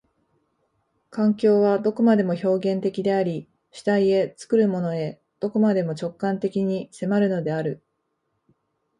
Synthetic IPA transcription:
kãŋkʲo̞ːβad̪o̞ko̞mad̪e̞mo̞ço̞ːɡẽ̞nt̪e̞kʲid̪e̞aɾʲi | ɕi̥t̪aie̞t͡sɨ̥kɯ̟ɾɯ̟mo̞no̞e̞ | d̪̥o̞ko̞mad̪e̞mo̞t͡ɕo̞kːãnt̪e̞kʲiɲ̟ise̞maɾɯ̟no̞d̪e̞aɾɯ̟

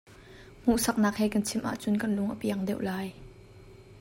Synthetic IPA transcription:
m̥uʔsɐk̚naːk̚hɛːkɐnt͡sʰɪmʔa̰ːʔt͡sʊnkɐnlʊŋʔəpiɐŋdɛwʔlaːj

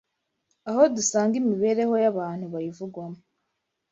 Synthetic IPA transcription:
aho̞dusaːŋɡimiβe̞ɾe̞ho̞jaβaːn̥huβajivuɡwamu

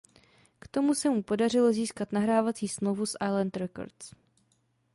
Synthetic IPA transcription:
kt̪o̞musɛmupo̞darɪlo̞ziːskat̪naɦɾaːvat͡siːsmlowvusʔajlant̪ɾɛko̞̰ɾt͡s

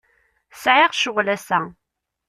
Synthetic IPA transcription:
sʕɪʁʃʊʁlæsæ

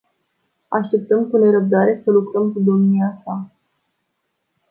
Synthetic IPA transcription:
aʃt̪e̞p̚t̪əmkune̞ɾəb̚d̪aɾe̞səlukɾəmkud̪o̞mniasa

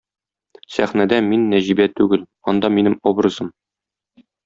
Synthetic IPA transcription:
sæχnæd̪æminːæʑibæt̪ʉɡɘl | ɒnd̪ɑminɘmobrɤ̆zɤm

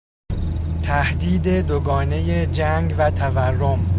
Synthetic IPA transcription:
t̪ʰæhd̪iːd̪e̞d̪oɡɒːne̞je̞d͡ʒæŋɡvæt̪ʰæværːom

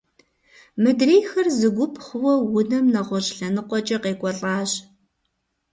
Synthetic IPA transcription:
mɨdreːjxɐrzɨɡʷʊpʰχʷʊwɐwʊnɐmnɐʁʷɔɕɬɐnɨqʷʼɔt͡ʃʼɐqeːkʷʼɔɬʼɑːɕ

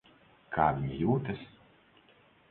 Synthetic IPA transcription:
kʰaːvʲiɲijuːt̪ɐs

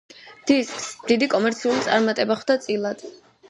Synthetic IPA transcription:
d̪̥iskʼsmd̪̥id̪ikʼɔmɛɾt̪sʰiulit̪sʼaɾmat̪ʼɛbaχwd̪̥at̪sʼilˠad̪̥

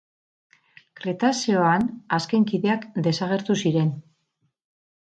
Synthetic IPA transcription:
kɾet̪asio̞anaske̞ŋkiðe̞akd̪e̞saɣ̞e̞ɾt̪usiɾe̞n

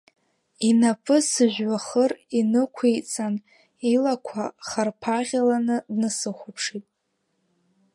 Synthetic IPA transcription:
inapʰʼɨsɨʒʷᶣwaχərinɨkʷʰejt͡sʼan | ilakʷʰaχarpʰaʁʲalanɨdnɨsɨχʷʊpʰʂitʼ

